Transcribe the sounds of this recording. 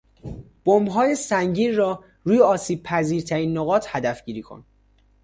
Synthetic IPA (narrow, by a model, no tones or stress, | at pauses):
b̥ombɦɒːjesæŋɟiːnrɒː | ɾuːjeɒːsiːb̚pʰæziːɾt̪ʰæɾiːnːoɣɒːt̪ʰhæd̪æfɟiːɾiːkʰo̰n